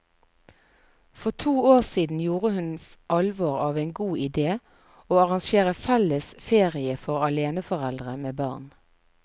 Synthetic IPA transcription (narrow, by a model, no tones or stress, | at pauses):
fɔʁt̪ʰuːoːʁsiːd̪n̩juːʁəhʉn | ʔɑlʋoːʁɑːʋeɪnɡuːɪd̪eː | oːɑʁɑŋʃeːʁəfɛləsfeːʁɪəfɔʁɑleːnəfɔʁɛld̪ʁəmeːbɑ̰ːʁn